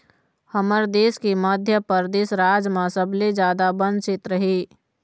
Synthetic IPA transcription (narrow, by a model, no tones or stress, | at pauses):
həməɾd̪eːskiməd̪ʱjəpəɾd̪eːsɾaːd͡ʒmãsəbled͡ʒjaːd̪abə̃nsɪt̪ɾəɦiː